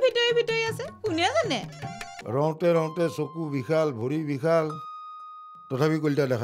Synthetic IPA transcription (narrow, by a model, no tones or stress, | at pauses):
bʱitɔɹibʱitɔɹiasɛkunazanɛɹɔ̃w̃tɛɹɔ̃w̃tɛsokubikʰalbʱoɹibikʰal | tɔtʰapik̬oltadɛkʰa